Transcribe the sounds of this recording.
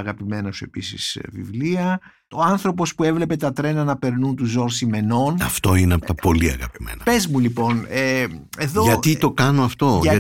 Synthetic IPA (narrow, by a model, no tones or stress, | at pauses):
ɐɣɐpime̞nɐsue̞pisḭsvḭvliɐ | oɐnθɾo̞po̞spue̞vle̞pe̞t̪ɐt̪ɾe̞nɐnɐpe̞ɾnunt̪uzo̞ɾsime̞no̞nɐft̪o̞ineɐpot̪ɐpo̞liɐ̰ɣɐ̰pimḛnɐpezmulipo̞neeðoʝɐt̪it̪o̞kɐnoɐft̪o̞ɐɐ